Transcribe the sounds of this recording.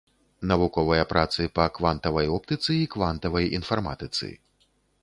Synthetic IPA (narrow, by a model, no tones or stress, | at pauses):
nɐvukɔvɐjɐpɾat̪sɨpɐkvant̪ɐvɐjɔp̚t̪ɨt̪sɨikvant̪ɐvɐjḭnfarma̰t̪ɨt̪sɨ̰